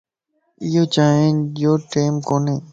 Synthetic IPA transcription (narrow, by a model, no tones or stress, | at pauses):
ɪjoːt͡ʃaːɦẽːd͡ʒoːʈeːmkoːnẽː